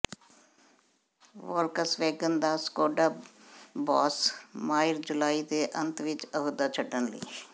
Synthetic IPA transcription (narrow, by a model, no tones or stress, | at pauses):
ʋəːlkəsʋeːɡənd̪aːskoːɖaːbɔːsmaːɪɾd͡ʒʊlaːiːd̪eːʔənt̪ʋɪt͡ʃəɦud̪aːt͡ʃʰəʈənlə̰ḭː